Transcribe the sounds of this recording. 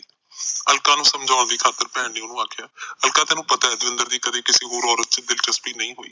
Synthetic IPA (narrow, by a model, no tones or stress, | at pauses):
əlkaːnũːsəmd͡ʒʱaːʊɳd̪iːkʰaːt̪ːəɾpɛ̃ːɳniːonũːaːkʰjaːəlkaːt̪ɛ̃ːnũːpət̪aːɛːd̪ʊʋɪ̃nd̪əɾd̪iːkəd̪eːkɪsiːɦoːɾɔːɾət̪̚t͡ʃd̪ɪlt͡ʃəspiːnəĩːɦoːḭː